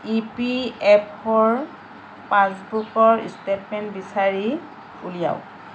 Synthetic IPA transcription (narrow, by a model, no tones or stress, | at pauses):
ipiɛpʰɔɹ | pãsbukɔɹistepmɛnbisaɹi | ulija̰ʊ